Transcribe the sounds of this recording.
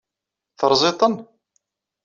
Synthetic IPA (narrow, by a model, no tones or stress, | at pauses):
θəɾˤzˤet̪ˤən